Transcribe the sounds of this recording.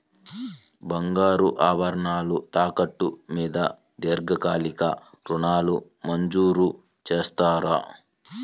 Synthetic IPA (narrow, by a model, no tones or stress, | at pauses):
bɐŋɡaːɾuʔaːʋɐɾɐɳaːlut̪aːkɐʈːumiːd̪ɐ̰ | d̪eːɾɡɐkaːlikɐ̰ | ɾuɳaːlu | mɐɲd͡ʒuːɾu | t͡ʃeːst̪aːɾɐ̰